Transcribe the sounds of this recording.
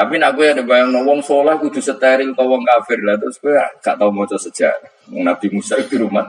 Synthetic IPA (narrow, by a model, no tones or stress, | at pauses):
apinaʔkujadɛbajaŋnɔwɔŋsɔlahku̥d͡ʒ̥ṳsət̪aɾɪŋt̪ɔwɔŋkafɪrlat̪ʊskuja̰ŋɡ̥a̰ʔt̪auŋɔt͡ʃɔsə̥ʒ̥a̰ɾa | mɔŋnab̪̥imusaid̪iɾuma̰n